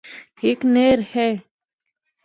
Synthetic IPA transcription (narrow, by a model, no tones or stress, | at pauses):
ekneːɾhɛː